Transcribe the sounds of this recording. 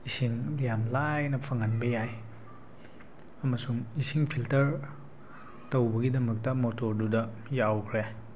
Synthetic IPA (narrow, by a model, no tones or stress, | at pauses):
isiŋlijamlajnɐpʰɐŋɐnbɐjaj | ɐmɐsuŋisiŋpʰiltɐɾ | tɐwbɐɡidɐmɐk̚tɐmotoɾdudɐ | jawkʰɾe